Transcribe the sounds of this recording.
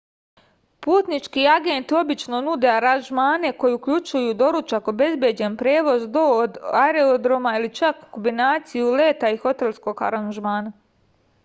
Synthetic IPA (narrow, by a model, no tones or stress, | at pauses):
puːt̪nit͡ʃkiaɡent̪io̞bit͡ʃno̞nud̪e̞aɾanʒmaːne̞kojiukʎut͡ʃujud̪o̞ɾut͡ʃako̞be̞zbje̞d͡ʑe̞npɾe̞ːʋo̞zd̪oːd̪aɾeod̪ɾo̞mailit͡ʃakːo̞mbinaːt̪sijule̞ːt̪aixo̞t̪e̞lˠsko̞ɡa̰ɾanʒmaːna